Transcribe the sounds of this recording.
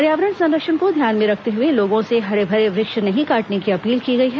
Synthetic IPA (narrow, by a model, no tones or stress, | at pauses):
ɐɾjaːʋɾənsɐ̃nd̪əkʃənkod̪ʱjaːnmẽɾɐkʰt̪eɦʊeloːɡõseɦɐɾebʱɐɾeʋɾɪkʃnɐɦĩkaːʈnekiɐpiːlkiɡɐiɦɛː